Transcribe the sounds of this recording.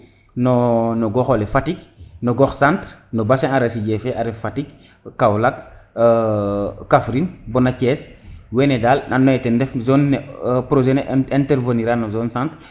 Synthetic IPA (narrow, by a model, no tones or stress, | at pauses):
nɔnɔɡɔxolɛfatik̚nɔɡɔxsãntɾnɔbasẽŋaɾasiɟɛfɛʔaɾɛffatik̚ | kːawlakː | afɾinbɔnacɛːswɛnedalnanːɔjɛtɛndɛfzɔnːpɾoʒɛnɛɛntɛɾvəniɾanɔzɔnsãntɾ